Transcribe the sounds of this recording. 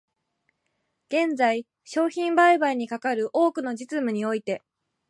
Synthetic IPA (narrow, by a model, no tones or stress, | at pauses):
ɡ̥ẽ̞nd͡zai | ɕo̞ːçĩmbaibaiɲ̟ikakaɾɯ̟ʔo̞ːkɯ̟no̞d͡ʑit͡sɨmɯ̟ɲ̟io̞it̪e̞